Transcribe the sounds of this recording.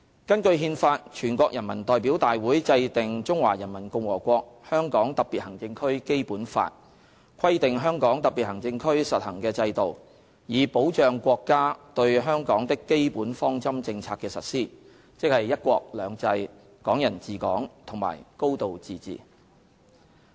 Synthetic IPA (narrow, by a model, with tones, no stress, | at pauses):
kɐ˥nkɵ˧ɥɦiː˧nfaː˧t̚t͡ʃʰyː˨˩nkʷɔː˧k̚jɐ˨˩nmɐ̰˨˩nt̪ɔː˨jpiː˨˥wt̪aː˨jwuː˨˥jt͡sɐ˧jt̪ɪ˨ŋt͡sʊ˥ŋwa̰ː˨˩jɐ˨˩nmɐ˨˩nkʊ˧ŋwɔː˨˩kʷɔː˧k̚hœː˥ŋkɔː˨˥ŋt̪ɐ˨k̚piː˨t̚hɐ˨˩ŋt͡sɪ˧ŋkʰɵ˥ɥke˥jpuː˨˥nfa̰ː˧t̚ | kʰɐ˥jt̪ɪ˨ŋɦœː˥ŋkɔː˨˥ŋt̪ɐ˨k̚pi˨hɐ˨˩ŋt͡sɪ˧ŋkʰɵ˥ɥsɐ˨t̚hɐ˨˩ŋkɛː˧t͡sɐ˧jt̪o˨˩w | jiː˨˩po˨˥wt͡ʃœː˨ŋkʷɔː˧kːaː˥t̪ɵ˧ɥɦœː˥ŋkɔː˨˥ŋt̪ɪ˥kːe˥jpuː˨˥nfɔː˥ŋt͡sɐ˥mt͡sɪ˧ŋt͡sʰaː˧t̚kːɛː˧sɐ̰˨t̚siː˥ | t͡sɪ˥k̚hɐ˨jːɐ˥t̚kʷɔː˧k̚lœː˨˧ŋt͡sɐ˧j | kɔː˨˥ŋjɐ˨˩nt͡siː˨˩kɔ̰ː˨˥ŋt̪ʰʊ˨˩ŋma̰ː˨˩jko˥wt̪o˨wt͡siː˨t͡sḭː˨˩